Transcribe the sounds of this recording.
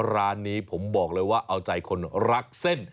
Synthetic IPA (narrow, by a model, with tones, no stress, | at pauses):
ɾaː˦˥nːiː˦˥pʰo˩˦mbɔː˨˩k̚lɤː˧jwaː˥˩ʔa˧wt͡ɕa˨jkʰo˧nɾa˦˥k̚se˥˩n